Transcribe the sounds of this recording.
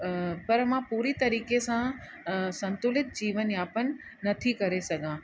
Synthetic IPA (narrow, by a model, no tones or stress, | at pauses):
pɐɾmãpuːɾit̪ɐɾiːkesã | sɐ̃nt̪ʊlɪt̪̚d͡ʑiːʋənjaːpənːɐt̪ʰikɐɾesɐɡʱãː